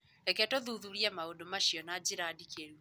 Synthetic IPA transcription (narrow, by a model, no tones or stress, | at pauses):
ɛkɛtoðuðuɾiamaodomaʃjɔnad͡ʑiɾadikeɾu